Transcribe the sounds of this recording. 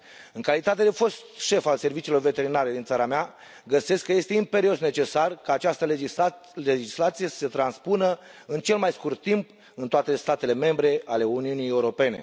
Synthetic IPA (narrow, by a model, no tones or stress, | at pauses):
ɨŋkalit̪at̪e̞d̪efo̞st̪ʃe̞false̞rvit͡ʃilo̞rve̞t̪e̞ɾinaɾe̞d̪int̪saɾamea | ɡəse̞skːəje̞st̪e̞impe̞ɾio̞sne̞t͡ʃe̞sarkaːt͡ʃast̪ə | led͡ʒislat̪sijesə̥set̪ɾanspunəɨnt͡ʃe̞lmajskurt̪ːimp | ɨnt̪oat̪e̞st̪at̪e̞le̞me̞mbɾe̞ale̞uniunije̞uɾo̞pe̞ne̞̰